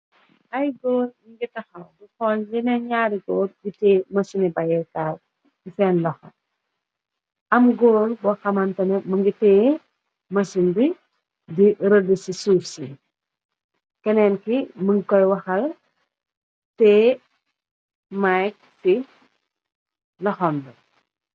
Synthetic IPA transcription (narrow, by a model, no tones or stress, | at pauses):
ʔɐjɡoːliŋɡitɐxɐlbuxɔllinɛɲaːɾiɡoːlɡitɛːmɐsinibɐjɛkaːl | ifɛːnlɔxɐ | ɐmɡoːlbɔxɐmɐntɐnɛmɐŋɡitɛː | mɐsindi | diɾədəsisuːfsi | kɛnɛːnkiməŋɡikɔjwɐxɐl | tɛ | majk̚ | ti | lɔxɔmdɐ